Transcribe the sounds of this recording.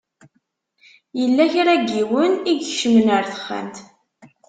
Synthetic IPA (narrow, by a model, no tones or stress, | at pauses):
jəlːæçɾæɡːiwəniɡçʃəmənəɾθə̥χːæ̰mt̪